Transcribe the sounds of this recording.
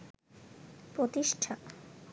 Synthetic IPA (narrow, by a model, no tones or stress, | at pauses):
pɾot̪iʃʈʰa